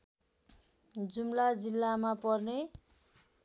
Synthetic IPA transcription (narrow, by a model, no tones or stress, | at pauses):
d͡zumlad͡zilːamapʌrne